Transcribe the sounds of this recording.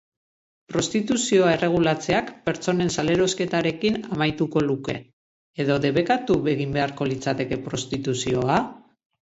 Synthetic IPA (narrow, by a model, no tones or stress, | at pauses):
pɾo̞st̪it̪usio̞ae̞re̞ɣ̞ulat͡se̞akpe̞ɾt͡so̞ne̞nsale̞ɾo̞ske̞t̪aɾe̞kinamajt̪uko̞luke̞ | eðo̞ðe̞βe̞kat̪uβe̞ɣ̞imbe̞aɾko̞lit͡sat̪e̞ke̞pɾo̞st̪it̪usio̞a